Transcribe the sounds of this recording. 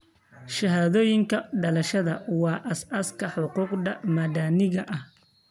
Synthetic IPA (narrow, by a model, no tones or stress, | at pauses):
ʃɐɦaːðɔːjɪŋkʰɐɖɐlɐʃɐðɐwɑːʔɐsɐskʰɐħʊquːqdɐmɐd̪aːnɪɣɐʔɐh